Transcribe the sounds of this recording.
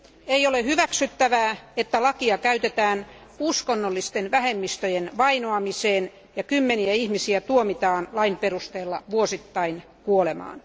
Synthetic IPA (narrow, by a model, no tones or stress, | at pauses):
eijolehyʋæksyt̪ːæʋæːet̪ːælɑkiɑkæyt̪et̪æːn | uskonːolːist̪enʋæhemːist̪øjenʋɑinoɑmiseːn | jɑkymːeniæihmisiæt̪uomit̪ɑːnlɑimperust̪eːlːɑ̰ʋuosit̪ːɑin | kuolemɑ̰ːn